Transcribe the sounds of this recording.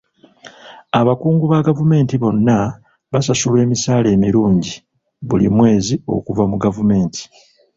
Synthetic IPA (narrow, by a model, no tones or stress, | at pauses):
aβakuːŋɡuβaɡavume̞ːntiβo̞nːa | βasasulwe̞ːmisaːle̞ːmiɾuːɲɟi | βulḭmwe̞ːzio̞̰kuvamuɡavume̞ːntʰi̥